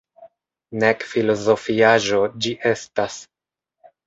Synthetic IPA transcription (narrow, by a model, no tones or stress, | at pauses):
nekfilo̞zo̞fiaʒo̞d͡ʒiʔe̞stas